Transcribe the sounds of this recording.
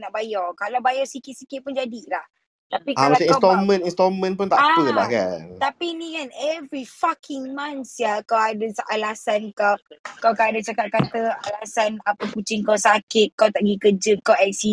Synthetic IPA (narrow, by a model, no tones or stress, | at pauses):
naʔbajɔkalawbajɔsikɪt̪̚sikɪt̪̚pʊnd͡ʒadilah | t̪apikaamaĩnat̪ɔmə̃nĩnst̪ɔmə̃npʊnt̪aakula̰hka̰nt̪apinĩkanɛvɾifakʰɪŋmãnsjakawadəsʔalasankawkawkaadat͡ʃakat̪̚kat̪əalasanapəkut͡ʃɪŋkawsakɪt̪̚kawt̪aʔɡikəd͡ʒəp̚kawaksi